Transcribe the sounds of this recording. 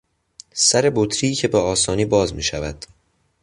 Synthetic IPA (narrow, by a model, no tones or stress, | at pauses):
sæɾe̞bot̪ʰɾicʰe̞beɒːsɒːniːbɒːzmiːʃævæd̪̥